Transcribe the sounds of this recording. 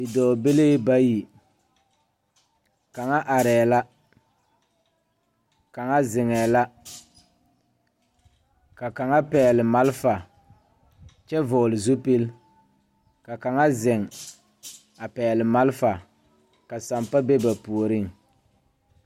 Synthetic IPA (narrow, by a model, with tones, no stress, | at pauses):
ɪ˨dɔː˨be˦le˦ba˦ji˨ | ka˨ŋa˦ʔa˨ɾɛː˨la˦ | ka˨ŋa˦zɪ˨ŋɛː˨la˦ | ka˨ka˨ŋa˦pɛː˨lɪ˨ma˦lfa˨ | t͡ʃɛ˦vɔː˨lɪ˨zu˦pe˦l | ka˨ka˨ŋa˦zɪ˨ŋ | a˨pɛː˨lɪ˨ma˦lfa˨ | ka˨sa˨mpa˦be˦ba˨pu˨o˨ɾɪ˦ŋ